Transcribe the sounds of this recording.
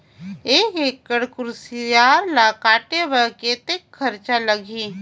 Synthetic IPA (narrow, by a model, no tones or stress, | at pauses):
eːkekːəɽkʊɾsijaːɾlakaːʈeʋəkeːt̪ekʰːɐɾt͡ʃaləɡʱiː